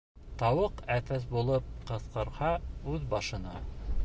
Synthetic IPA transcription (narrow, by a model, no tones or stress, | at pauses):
t̪ɑwɤqæθæs̬bulˠɤp̚qɤ̆θqɤ̆ɾhɑʉðbɑʃɤ̆nɑ